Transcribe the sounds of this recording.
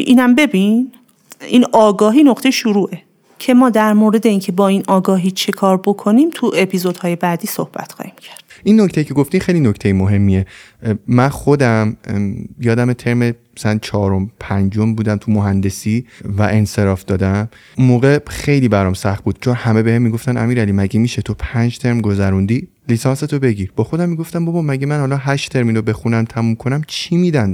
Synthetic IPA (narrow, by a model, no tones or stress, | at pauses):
ʔiːnæmbe̞bin | iːnɒːɡɒːɦiːnoqt̪e̞jʃuɾuːʔe̞ | cʰe̞mɒːd̪æɾmoːɾe̞d̪e̞iːncʰe̞bɒːinɒːɡɒːɦiːt͡ʃʰe̞kʰɒːɾbo̞kʰoniːmt̪ʰuʔepʰizod̪̥hɒːje̞bæːd̪iːsohb̥æ̰t̪xɒ̰ːhiːmcʰæɾd̪̥ʔinːocʰt̪ejicʰeɡoft̪imχejlinocʰt̪ʰejemoɦe̞mːie | mænχo̞d̪æmjɒːd̪æmet̪ʰe̞ɾmemæsælænt͡ʃʰɒːɾo̞mpʰænd͡ʒo̞mbuːd̪æmt̪ʰumoɦænd̪e̞sivæʔe̞nse̞ɾɒːfd̪ɒːd̪æm | umoːɣe̞xe̞jliːbæɾɒmsæχt̪̚buːd̪̥̚t͡ʃʰo̞nhæme̞behemːiɡo̞ft̪ænʔæ̰miːɾælimæɟimiʃet̪ʰopʰænd͡ʒt̪ʰe̞ɾmɡo̞zæɾund̪i | liːsɒːnse̞t̪ʰobe̞ɟiːɾb̥ɒːxo̞d̪æmːiɡo̞ft̪æmbobɒːmæɟʲemænhɒlɒːɦæʃt̪ʰe̞ɾminɾobe̞xunæmt̪ʰæmumkʰonæmt͡ʃʰimiːd̪æn